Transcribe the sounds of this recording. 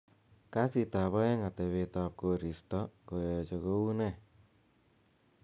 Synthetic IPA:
kasit̪aβajaŋat̪ewet̪ap̚koɾist̪ɔkojɔt͡ʃɔkounɛ

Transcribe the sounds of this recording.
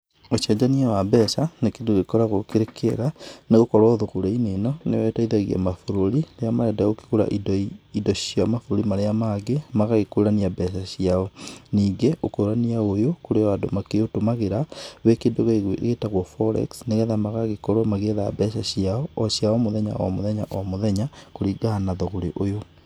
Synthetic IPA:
oʃɛd͡ʒaniɛwabɛsanekendoɣekɔɾaɣokeɾekʰeɾaneɣokɔɾɔðoɣuɾeinenɔnewɛtaiðaɣia̰mafuɾoɾileamaɾɛdaoki̥ɣuɾa̰ʔididɔɕjamafuɾuɾimaɾeamaɡemaɣaɣekoɾaniabɛsaɕjiaɔniːɡeokoɾaniaojokoɾewado̰makeotomaɣeɾawekedoɣɣetaɣwɔfɔɾɛ̰ksneɣɛðamaɣaɣekɔɾɔmaɣeða̰bɛʃaɕiaɔɔsjaɔmoðɛɲa̰wa̰moðɛɲa̰ʔwamoðɛɲakoɾiɡanaðɔɣoɾeʔojo

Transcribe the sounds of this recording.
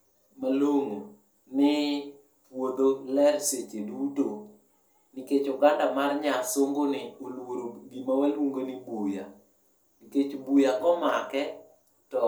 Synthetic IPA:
maloŋo | nɪ | pwod̪olɛrset͡ʃeduto | nɪket͡ʃoɡandamarɲasoŋɡonɪolwoɾoɡimawaluŋɡonɪbuja̰ | nɪket͡ʃobujaɡɔmakɛ | tɔ

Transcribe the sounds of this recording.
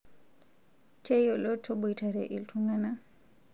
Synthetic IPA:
tʰejɔlɔtʰːɔbɔjtʰaɾɛ̰ʔiltʰuŋɡana

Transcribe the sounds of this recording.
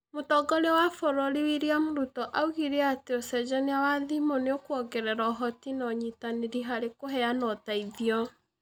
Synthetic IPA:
motɔɡɔɾewafɔɾɔɾiwiɾeamoɾutɔʔauɣiɾeateosɛd͡ʒɛniawaðimoneokwɔɡɛɾɛɾɔɦɔtinɔɲitaneɾiɦaɾekoɦɛanɔtaiðiɔ

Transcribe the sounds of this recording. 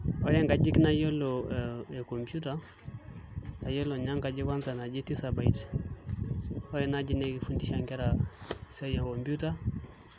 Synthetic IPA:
ojaŋɡad͡ʒiknajoloekompjuta | tajoloɲaŋkad͡ʒikansanad͡ʒitisabaḭt͡ʃ | ojɛnad͡ʒinekifundiʃaŋkɛɾasejakompjuta

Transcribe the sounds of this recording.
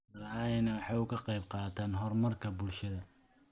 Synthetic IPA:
ɐaːjɛnɛwɑħɑːʊkʰɐqɑjbqɑːt̪ʰaːnɦɔrmɐrkʰɐbʊlʃɐðɐ

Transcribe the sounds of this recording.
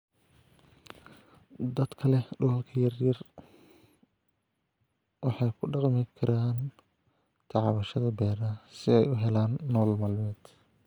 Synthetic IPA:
d̪ɐd̪kʰɐlɛɖʊlɐlkʰɐjɐrjɐr | wɑħɑjkʰʊɖɑqmɪkʰɐɾaːn | t̪ʰɑʕɑβɐʃɐðɐbɛːɾɐsɪɛjʊɦɛlaːnːɔːlmaːlmɛːd̪̥

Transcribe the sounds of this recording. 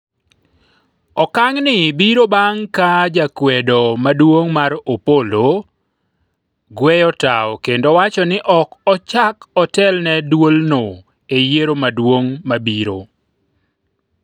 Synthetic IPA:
ɔkaŋnɪbiɾobaŋkad͡ʒakwɛdomadwoŋmaɾopolo | ɡwɛjɔtaɔkendowat͡ʃɔnɪʔɔkɔt͡ʃakɔtɛlnɛdwolno | ejeɾomadwoŋmabiɾo

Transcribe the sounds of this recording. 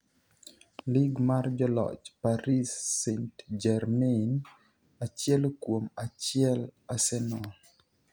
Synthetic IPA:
liɡmard͡ʒɔlɔ̰t͡ʃpaɾisːentd͡ʒɛrmɛn | at͡ʃjɛlkwomat͡ʃjɛlasɛnɔ

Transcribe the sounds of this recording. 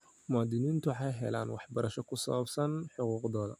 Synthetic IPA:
mʊaːd̪ɪniːnt̪ʰʊħɑjɦɛla̰ːnwɑħbɐɾɐʃɔkʰʊsɐ̰βɐbsɐnħʊquːqd̪ɔːðɐ̰

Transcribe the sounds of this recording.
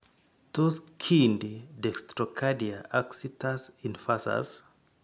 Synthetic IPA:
tuskʰinddɛkstɹɔkʰadiaʔaksitʰasĩnfasa̰z

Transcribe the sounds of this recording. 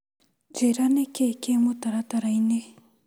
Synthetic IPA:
d͡ʒeɾanekʰekemot̪aɾat̪aɾajinːe

